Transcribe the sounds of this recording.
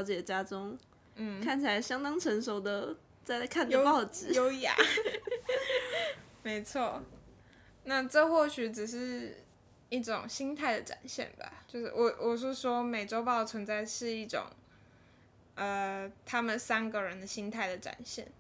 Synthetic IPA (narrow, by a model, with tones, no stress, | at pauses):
ɑ˧˥ʊt͡ɕjɛ˨˩t͡ɕja˥ʈ͡ʂʊ˥ŋ | n̩˥˩kʰa˥˩nt͡ɕʰi˨la˧˥ɪɕjɑ˥ŋt̪ɑ˥ŋʈ͡ʂʰə˧˥ŋʂo˨˥ʊd̪ə˨ | t͡sa˥ɪkʰa˥˩ndə˧pɑ˥˩ʊʈ͡ʂɹ̩˨˦o˧˥ʊja̰˨˩ | me˧˥ɪt͡sʰwɔ˥˩ | na˥˧ʈ͡ʂə˥˧xwɔ˥˩ɕy˨˥ʈ͡ʂɻ̩˨˩ʂ̬ɻ̩˥˧ | i˥˩ʈ͡ʂʊ̰˨˩ŋɕi˥ŋt̪ʰa˥˩ɪd̪ə˨˩ʈ͡ʂa̰˨˩nɕjɛ̰˥˩nba̰˩t͡ɕjo˥˧ʊʂɻ̩̰˥˩wɔ˨˩wʔɔ˨˩ʂ̬ɔ˥ʂwɔ˥me˨˩ɪʈ͡ʂo˥ʊpɑ˥˩ʊt͡sʰwə˧˥nt͡sa˥˧ɪʂɻ̩˥˧i˥˩ʈ͡ʂʊ̰˨˩ŋ | ʔə˨t̪ʰa˥mə˨nsa˥nɡə˨ɻə˧˦nd̪ə˨ɕi˥ŋt̪ʰa˥˩ɪd̪ə˩ʈ͡ʂa̰˨˩nɕjɛ̰˥˩n